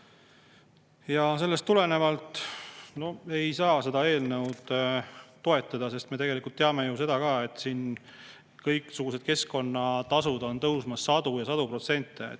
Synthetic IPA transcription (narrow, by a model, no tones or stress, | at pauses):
jɑs̬e̞lːest̪ːule̞ne̞vɑlt̪ˑno̞e̞jsɑːse̞d̪ɑe̞ːlnɤwd̪̥ | t̪o̞e̞t̪ːˑɑd̪̥ɑse̞st̪me̞t̪e̞ɡe̞likult̪ːeɑme̞juse̞d̪̥ɑkɑːe̞t̪ːˑsiːn | kɤjkˑsuɡ̥use̞d̪̥̚ke̞sko̞nːɑt̪ɑsud̪̥o̞nt̪ɤwsmɑsːɑd̪̥ujɑsɑd̪upro̞t̪se̞nʲt̪ːˑḛ